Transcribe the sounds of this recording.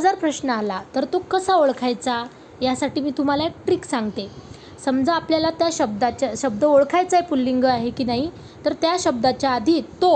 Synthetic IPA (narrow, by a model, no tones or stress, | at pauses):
d͡zaɾpɾəɕnəalat̪əɾt̪okəsaoɭkʰajt͡sa | jasaʈiːmiːt̪um̤alaek̚ʈɾiːksãŋɡt̪e | səmd͡zəapljalat̪jaɕəb̚d̪at͡ɕaɕəb̚d̪əoɭkʰajt͡saipulːiŋɡəaɦekiːnaɦi | t̪əɾt̪jaɕəb̚d̪at͡ɕjaːd̪ʱit̪o